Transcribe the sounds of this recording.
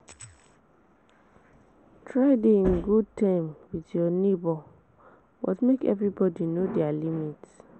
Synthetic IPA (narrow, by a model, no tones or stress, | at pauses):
tʰɹaɪdeĩnɡud̚tʰãmwidjɔnebɔ | wɔ̰tmekɛ̰vɹibɔdinodɛalimit